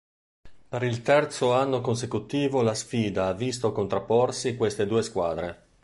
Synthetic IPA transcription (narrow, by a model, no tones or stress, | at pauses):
peɾilt̪ɛrt̪soanːokons̬ekut̪iːvolasfiːd̪aavːist̪okont̪ɾapːorsikwest̪ed̪uːeskwa̰ːd̪ɾe